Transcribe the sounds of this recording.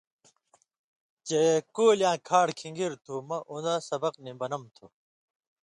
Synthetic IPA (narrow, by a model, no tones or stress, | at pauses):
t͡ɕekoːljãːkʰaːɽkʰiŋɡiɾt̪ʰuːmɐʔund̪ɐsɐbɐqnibɐnɐmt̪ʰu